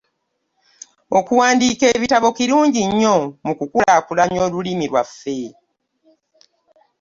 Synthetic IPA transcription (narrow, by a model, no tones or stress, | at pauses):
okuwaːndiːke̞ːβitaβo̞kiɾuːɲɟiɲːo̞mukukulakulaɲo̞ːlulimiɾwafːe̞